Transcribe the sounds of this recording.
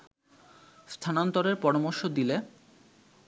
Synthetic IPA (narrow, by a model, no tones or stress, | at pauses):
st̪ʰanont̪oɾeɾpɔɾomoɾʃod̪ile